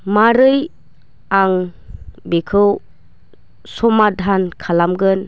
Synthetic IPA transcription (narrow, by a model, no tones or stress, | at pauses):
maɾɯj | aŋ | bekʰɯw | sɔmadʱankʰalamɡɯn